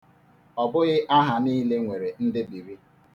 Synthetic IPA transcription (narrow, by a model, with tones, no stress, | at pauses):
ɔ˨bʊ˦ɣɪ˦ʔa˦ɦa˨niː˦le˦ŋʷe˨ɾe˨n̩˦dɪ˦bi˨ɾi˦